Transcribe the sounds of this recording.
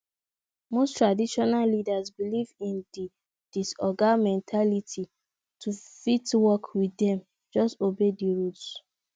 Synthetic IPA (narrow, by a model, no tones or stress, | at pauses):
mostɹadiʃɔnallidazbilivĩndi | d̥isɔɡamɛ̃ntʰalitʰi | tʰufitwɔkwidɛ̃m | d͡ʒɔstobediɹuts